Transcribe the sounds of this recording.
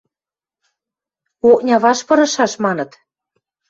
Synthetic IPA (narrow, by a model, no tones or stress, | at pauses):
oknʲɑβɑʃpɤ̆ɾɤ̆ʃɑʃmɑnɤ̆t̪